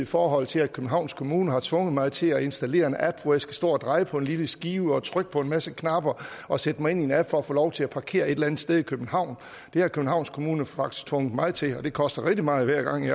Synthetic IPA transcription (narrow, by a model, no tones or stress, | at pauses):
ifɒːɦɒ̽l̰t͡sʰe̝læd̥̚kʰøb̥n̩ɦɑ̈ʊnskʰo̝muːnəɦɑ̈t͡sʰʋɔ̽ŋəð̩ˠmɑ̈ɪð̩ˠt͡sʰe̝læe̝nsd̥æle̝̰ːɐe̝nʔæb̥ʋɒjäsɡ̥æ̥sd̥ɔ̰ːɒd̥ʁɑ̈ɪəpʰɒ̽e̝nliləsɡ̥iːʊɒ̽t͡sʰʁœɡ̥̚pʰɒ̽e̝nmæsəkʰnɑ̈b̥ɐɒ̽sed̥əmɑ̈ɪe̝nienæb̥fɒ̽ɒfɔ̰ːlɒʊt͡sʰe̝læpʰɑ̈kʰe̝̰ːɐe̝d̥lænð̩̥ˠsd̥eð̞ˠikʰøb̥n̩hɑ̈ʊ̰n | d̥e̝hɑ̈kʰøb̥n̩hɑ̈ʊnskʰo̝muːnəfɑ̈ɡ̥d̥i̥st͡sʰʋɔ̽ŋð̥ˠmɑ̈ːð̩ˠt͡sʰe̝ɒ̽d̥e̝kʰɒ̽sd̥ɐʁɛɡ̥d̥imɑ̈ːð̞̩ˠʋæɐ̰ɡ̥ɑ̈ŋ̰jɑ